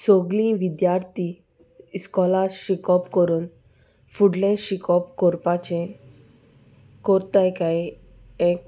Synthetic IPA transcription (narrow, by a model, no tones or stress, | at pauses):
soɡlĩʋid̪jaɾt̪i | skɔlaɾɕikɔpkɔɾuːn | fuɽlẽɕikɔpkɔɾpat͡ɕẽ | kɔɾt̪ajkai | ek̚